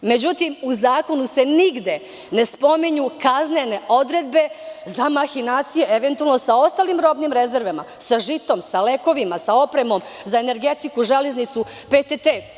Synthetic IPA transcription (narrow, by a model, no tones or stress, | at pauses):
me̞d͡ʑut̪imuzaːko̞nuse̞niɡd̪e̞ | ne̞spo̞miɲukaznene̞ʔo̞d̪ɾed̪be̞zamaxinaːt̪sije̞eʋe̞nt̪ualno̞sao̞st̪aːlimɾo̞bnimɾe̞zeɾʋema̰saʒit̪o̞msale̞ko̞ʋimasao̞pɾe̞mo̞m | zaene̞ɾɡe̞t̪ikuʒaleznit̪su | pet̪et̪e